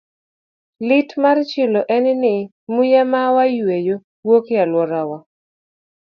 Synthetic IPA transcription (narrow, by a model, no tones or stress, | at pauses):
lɪtmart͡ʃɪloʔɛnɪnɪ | mujamawajwejo | wokealwɔɾawa